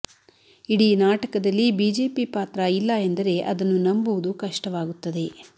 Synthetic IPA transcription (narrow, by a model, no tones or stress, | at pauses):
iɽiːnaːʈɐkɐd̪ɐlːibiːd͡ʒe̞ːpipaːt̪ɾɐilːɐend̪ɐɾe̞ʔɐd̪ɐnːunɐmbuʋud̪ukɐʂʈɐʋaːɡut̪ːɐd̪e̞